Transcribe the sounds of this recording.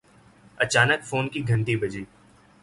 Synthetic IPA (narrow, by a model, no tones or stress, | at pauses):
ɐt͡ʃaːnəkfoːnkiɡʱɐ̃nʈ̪ibɐd͡ʒeː